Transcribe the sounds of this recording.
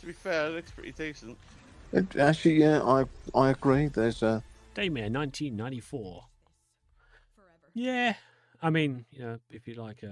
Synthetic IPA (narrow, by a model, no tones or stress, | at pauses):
tʰəbifɛɪtspʰɹ̥ɪ̰ʔlidesə̃nt | ɪak̚t͡ʃl̩ijæa̰ɪaɪəɡɹiðəzʌd̥eɪmɛnãɪ̃ntʰĩnːãɪ̃ntifɔː | jæ | aɪmĩnjɨnoʊɪfjɨlaɪkʰ